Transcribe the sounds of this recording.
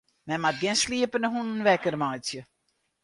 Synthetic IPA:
mɛmat̚ɡɛnsliəpənəɦunənʋɛkərmajsjə

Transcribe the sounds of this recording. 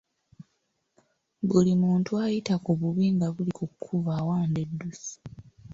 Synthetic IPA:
bulimuːntuajitakuβuβiːŋɡaβulikukʰːuvaːwaːnde̞dːusi̥

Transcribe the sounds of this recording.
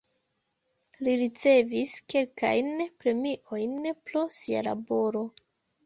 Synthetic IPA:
liɾit͡se̞viske̞lka̰jnpɾe̞miʔo̞jnpɾo̞siala̰bo̞ɾo̞

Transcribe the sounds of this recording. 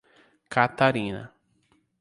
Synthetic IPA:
kat̪aɾĩnɐ̰

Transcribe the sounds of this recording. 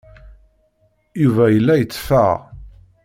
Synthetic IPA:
juvæjəlːæjət͡sːfæ̰ʁ

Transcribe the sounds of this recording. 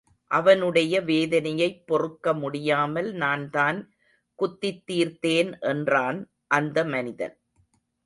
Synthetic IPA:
ʔɐʋɐnɯɽɐjɐʋeːðɐnɐjɐɪpːɔrɯkːɐmʊɽɪjaːmɐlnaːnt̪aːn | kʊt̪ːɪt̪ːiːɾt̪eːnʔɛndraːn | ʔɐnd̪ɐmɐnɪðɐ̰n

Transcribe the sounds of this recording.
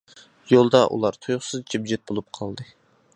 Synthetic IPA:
jolˠd̪ɑʔṵlˠɑɾt̪ʰojʊχsɨzd͡ʒibd͡ʒɛt̪̚bolˠup̚qʰɑlˠd̪ɨ

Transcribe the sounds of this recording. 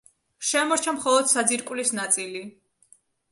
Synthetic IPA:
ʃɛmɔɾt͡ʃʰamχɔlˠɔd̪̥sad̪ziɾkʼwlisnat̪sʼili

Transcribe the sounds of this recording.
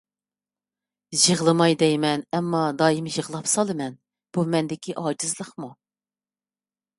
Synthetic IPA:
ʒəʁlˠɨmɑjd̪ɛjmɛnɛmːɑd̪ɑːjimʒəʁlˠɑpsɑlˠɨmɛn | b̥umɛnd̪ɪkʲʰiʔɑːd͡ʒizlˠəχmu

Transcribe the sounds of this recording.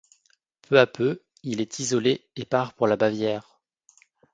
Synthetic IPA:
pʰøapø | ilɛt̪ʰizɔleepaʁpuʁlabavjɛːʁ

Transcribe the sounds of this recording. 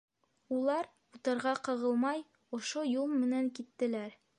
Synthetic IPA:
ulˠɑɾ | ut̪ɤ̆ɾʁɑqɤ̆ʁɤ̆lˠmɑj | ŏʃojulˠmɘ̆næŋkit̪ːɘ̆læɾ

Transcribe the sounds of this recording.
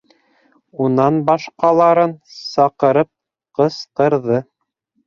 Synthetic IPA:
unɑnbɑʃqɑlˠɑɾɤnsɑqɤ̆ɾɤp̚ | qɤsqɤ̆ɾðɤ

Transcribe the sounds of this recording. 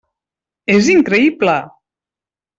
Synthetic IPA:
eziŋkɾeiblə

